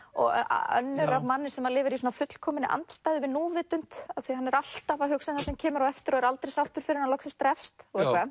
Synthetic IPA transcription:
ɔ̰ɣ̰a̰œ̰nːʏɾavmanːɪsɛmaðlɪːvɪɾis̬wɔːnafʏt̪l̥kʰɔːmɪnɪ̰ʔa̰nt̪st̪aːjðʏvɪnuːvɪːt̪ʏn̥t̪aθihanːɛɾal̥t̪avaɦʏksɪnθasɛmcʰɛːmʏɾawɛft̪ɪɾɔðɛɾalt̪ɾejsawft̪ʏɾ̥fɪɾɪɾnalɔksɪst̪ɾɛfst̪ɔɣɛka

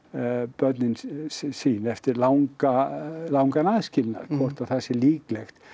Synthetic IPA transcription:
pœɾt̪nɪnsiːnɛft̪ɪɾlawŋkalawŋkanaðscɪlna̰ɾkʰvɔr̥t̪aðθasɛliːklɛxt̪

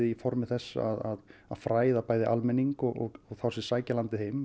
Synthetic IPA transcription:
ifɔɾmɪ̥θɛsːa̰aðaðaðfɾaːjðapaːjðɪʔalmɛnːiŋkɔɣɔɣɔɣθawsɛsaːjcalant̪ɪhejm

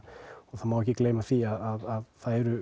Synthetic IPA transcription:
ɔθaðmawɛhcɪkleːjmaθiaðaðaðθaðɛɾʏ

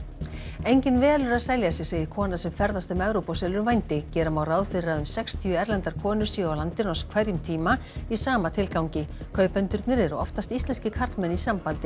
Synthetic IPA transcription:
ejɲcɪnvɛːalʏɾaðsɛjljasjɪseːjɪɾ̥kʰɔːnasɛmfɛɾðast̪ʏmɛvɾowpɔsɛːlʏɾvajnt̪ɪcɛːɾamawraːwðfɪɾɾaðʏmsɛkst̪ʰijʏɛɾlɛnt̪aɾ̥kʰɔːnʏɾ̥siawlant̪ɪnɔskʰvɛɾjʏmt̪ʰiːmaisaːmat̪ʰɪlkawɲcɪkʰœːɥpɛnt̪ʏɾt̪nɪɾɛɾʏɔft̪ast̪ist̪lɛnscɪkʰaɾt̪mɛnːisampant̪ɪ

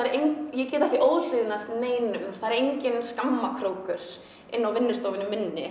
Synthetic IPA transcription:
aɛɾejɲjɛcɛːt̪aaθt̪iʔoːwðl̥ʏːðɪnast̪neːjnʏmnust̪ʰaðɾejɲcɪnskamːakʰɾoːwkʏɾ̥ | ɪnːawvɪnːʏst̪oːwvɪnʏmːɪnːɪ̰

